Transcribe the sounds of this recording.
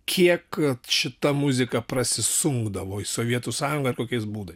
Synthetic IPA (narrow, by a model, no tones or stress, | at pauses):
kʲʰiɛkkɐt̪ʃʲɪt̪ɐmʊzʲɪkɐpɾɐsʲɪsʊŋɡd̪ɐʋoːɪsoːʋʲiɛt̪uːsɑːjʊŋɡɐɪrkoːkʲɛɪsbuːd̪ɐɪs